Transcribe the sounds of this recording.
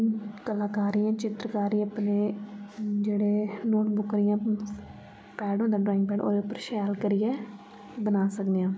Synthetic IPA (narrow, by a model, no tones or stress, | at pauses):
kəlaːkaːɾiãːt͡ʃɪt̪ɾəkaːɾiəpneː | d͡ʒeːɽeːnoːʈbʊkɾɪjãː | pɛːɖɦõːnd̪aːɖɾɔːɪ̃ŋɡ̚pɛːɖo̰ːd̪eːʊpəɾʃɛːlkəɾɪjɛː | bənaːsəkd̪ijãː